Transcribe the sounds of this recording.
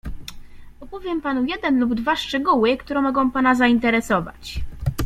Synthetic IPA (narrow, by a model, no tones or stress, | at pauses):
ɔpɔvʲjɛmpanujɛd̪ɛnlubd̪vaʂt͡ʂɛɡuwɘkt̪uɾɛ̃mɔɡɔ̃w̃panazaint̪ɛɾɛsɔva̰t͡ɕ